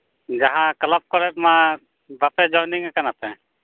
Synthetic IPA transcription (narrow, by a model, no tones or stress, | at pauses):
d͡ʒaɦãkɐlap̚kɔɾɛt̪̚mã | bapɛd͡ʒɔjniŋakanapɛ